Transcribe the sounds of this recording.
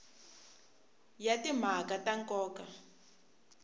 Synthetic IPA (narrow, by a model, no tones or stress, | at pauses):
jatim̤akataŋkʼɔːka